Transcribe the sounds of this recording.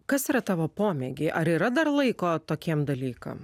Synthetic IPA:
kɐsiːɾɐt̪ɑːʋoːpoːmʲeɡʲeːʔɐɾiːɾɐd̪ɐɾlˠɐɪkoːt̪oːkʲiɛmd̪ɐlʲiːkɐ̰m

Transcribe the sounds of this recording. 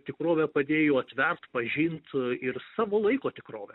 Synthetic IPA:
t̪ʲɪkɾoːʋʲɛpɐd̪ʲeːjoːɐt̪ʲʋʲɛrt̪pɐʒʲint̪ɪrsɑːʋoːlˠɐɪkoːt̪ʲɪkɾoːʋʲɛ

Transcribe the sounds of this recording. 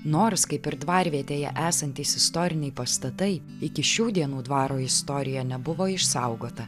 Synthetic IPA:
noːɾskɐɪpɪɾd̪ʋɑːɾʲʋʲiɛt̪ʲeːjɛ̰ʔæːsɐnʲt̪ʲiːsɪst̪ɔːɾʲɪnʲɛɪpɐst̪ɐt̪ɐɪ | ɪkʲɪʃʲuːd̪ʲiɛnuːd̪ʋɑːɾoːɪst̪ɔɾʲɪjɛːnʲɛbʊʋoːɪʃsɐʊɡoːt̪ɐ

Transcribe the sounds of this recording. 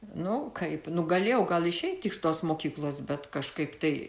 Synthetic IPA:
nʊkʰɐɪpnʊɡɐlʲeːjɛʊɡɐlˠɪʃʲɛɪt̪ʲɪʃt̪oːsmoːkʲiːklˠoːsbʲɛt̪kɐʃkɐɪpt̪ɐɪ

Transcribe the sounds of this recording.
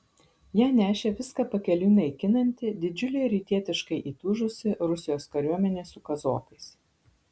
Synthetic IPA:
jæːnʲæːʃʲeːʋʲɪskɑːpɐkʲɛlʲuːnʲɐɪkʲɪnɐnʲt̪ʲɪd̪ʲɪd͡ʒʲʊlʲɛɪɾʲiːt̪ʲiɛt̪ʲɪʃkɐɪʔiːt̪ʊʒʊsʲɪɾʊsʲɪjoːskɐɾʲuɔmʲɛnʲeːsʊkɐzoːkɐɪs

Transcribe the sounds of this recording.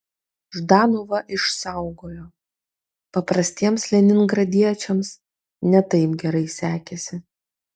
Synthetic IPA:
ʒd̪ɑːnoʋɐʔɪʃsɑˑʊɡoːjoː | pɐpɾɐsʲt̪ʲiɛmslʲɛnʲɪnɡɾɐd̪ʲiɛt͡ʃʲɛms | nʲɛt̪ɐɪpɡʲɛɾɐɪsʲæːkʲɛsʲɪ

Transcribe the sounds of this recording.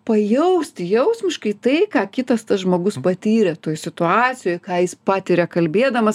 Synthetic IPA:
pɐjɛʊsʲt̪ʲɪjɛʊsʲmʲɪʃkɐɪt̪ɐɪkɑːkʲɪt̪ɐst̪ɐsʒmoːɡʊspɐt̪ʲiːɾʲɛt̪oːjsʲɪt̪ʊɑːt̪sʲɪjoːjkɑːjɪspɑːt̪ʲɪɾʲɛkɐlʲbʲeːd̪ɐmɐs

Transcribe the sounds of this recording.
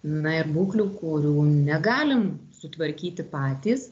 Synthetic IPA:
nɐɪrbuːklʲuːkʊɾʲuːnʲɛɡɑːlʲɪmsʊt̪ʋɐɾʲkʲiːt̪ʲɪpɑːt̪ʲiːs

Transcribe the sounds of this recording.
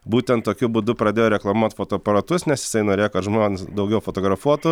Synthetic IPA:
buːt̪ʲɛnt̪t̪ːoːkʲʊbʊːd̪ʊpɾɐd̪ʲeːjːɾʲɛklˠɐmuɔt̪foːt̪oːpɐɾɐt̪ʊsnʲɛsjɪsɐɪnoːɾʲeːjoɔkɐt̪ʒmoːnʲːnʲɪsd̪ɐʊɡʲɛʊfoːt̪oːɡɾɐfuɔt̪ʊ

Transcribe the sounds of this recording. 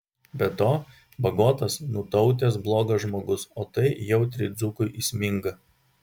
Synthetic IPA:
bʲɛt̪oː | bɐɡoːt̪ɐsnʊt̪ɒʊt̪ʲesblˠoːɡɐʒmoːɡʊsoːt̪ɐɪjɛʊt̪ʲɾʲɪd̪zukʊɪʔisʲmʲɪŋɡɐ

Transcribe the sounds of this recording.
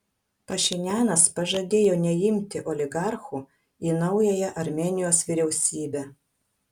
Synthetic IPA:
pɐʃʲɪnʲæːnɐspɐʒɐd̪ʲeːjoːnʲɛjɪmʲt̪ʲɪʔɔlʲɪɡɑɾxuː | iːnɐʊjɛjɛʔɐɾʲmʲɛːnʲɪjoːsʋʲiˑɾʲɛʊsʲiːbʲæ

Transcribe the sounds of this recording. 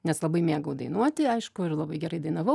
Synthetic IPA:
nʲɛslˠɐbɐɪmʲeːɡɐʊd̪ɐɪnuɔt̪ʲɪɐɪʃkʊɪɾlˠɐbɐɪɡʲɛɾɐɪd̪ɐɪnɐʋɐʊ

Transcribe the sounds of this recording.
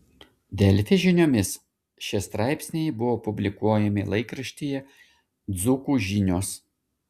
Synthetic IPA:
d̪ʲɛlʲt̪ʲeʒʲɪnʲoːmʲɪs | ʃʲɪst̪ɾɑˑɪpʲsʲnʲɛjbʊʋoːpʊbʲlʲɪkuɔjɛmʲɪlˠɐɪkɾɐʃʲt̪ʲijɛ | d̪zukuːʒʲinʲoːs

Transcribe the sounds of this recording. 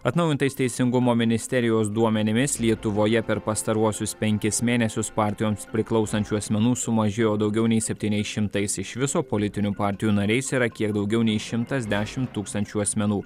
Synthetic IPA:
ɐt̪nɒʊjɪnt̪ɐɪst̪ʲɛɪsʲɪŋɡʊmoːmʲɪnʲɪsʲt̪ʲɛɾʲɪjoːsd̪uɔmʲɛnʲɪmʲɪslʲiɛt̪ʊʋoːjɛpʲɛɾpɐst̪ɐɾuɔsʲʊspʲɛŋʲkʲɪsmʲeːnʲɛsʲʊspɑːˑɾʲt̪ʲɪjoːmspʲɾʲɪklˠɒʊsɐnʲt͡ʃʲuːɐsʲmʲɛnuːsʊmɐʒʲeːjoːd̪ɒʊɡʲɛʊnʲɛɪsʲɛpʲt̪ʲiːnʲɛɪsʃʲɪmt̪ɐɪsɪʃʋʲɪsoːpolʲɪt̪ʲɪnʲupɑˑɾʲt̪ʲɪjuːnɐɾʲɛɪsiːɾɐkʲiɛkd̪ɒʊɡʲɛʊnʲɛɪʃʲɪmt̪ɐzʲd̪ʲæːʃʲɪmt̪ːuːkst̪ɐnʲt͡ʃʲuːɐsʲmʲɛnuː

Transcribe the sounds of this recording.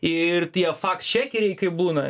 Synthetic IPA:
ɪɪrt̪ʲiɛfɑːkst͡ʃʲæːkʲɪɾʲɛɪkɐɪbuːnɐ

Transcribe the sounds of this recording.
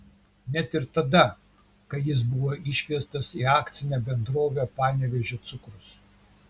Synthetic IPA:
nʲɛt̪ɪɾt̪ɐd̪ɐ | kɐɪjɪs̬bʊʋoːʔɪʃʲʋʲiɛst̪ɐsiːɑːkt̪sʲɪnʲɛːbʲɛnd̪ɾoːʋʲepɑːnʲeʋʲɛʒʲot̪sʊkɾʊs

